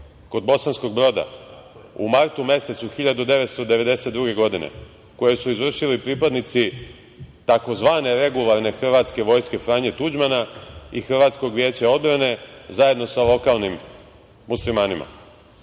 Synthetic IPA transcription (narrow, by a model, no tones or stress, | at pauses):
ko̞d̪̚bo̞sansko̞ɡ̚bɾo̞d̪a̰ | ṵmaɾt̪ume̞se̞t̪suxiʎad̪ud̪e̞ʋet̪st̪o̞d̪e̞ʋe̞d̪e̞se̞t̪d̪ɾuɡe̞ɡo̞d̪inḛ | ko̞jesuizʋr̩ʃilipɾiːpad̪nit̪si | t̪ako̞zʋaːne̞ɾe̞ɡulˠaɾne̞xr̩ʋaːt̪ske̞ʋo̞ːjske̞fɾaːɲet̪ud͡ʑmanaixr̩ʋaːt̪sko̞ɡʋjeːt͡ɕao̞d̪bɾane̞zaje̞d̪no̞salo̞kalˠnim | muslimaːnima̰